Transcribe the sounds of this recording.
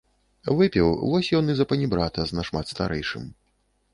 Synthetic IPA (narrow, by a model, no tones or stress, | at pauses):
vɨpʲɛwvɔsʲjɔnɨzɐpɐnʲibɾat̪ɐznɐʂmat̪st̪a̰ɾʔɛjʂɨ̰m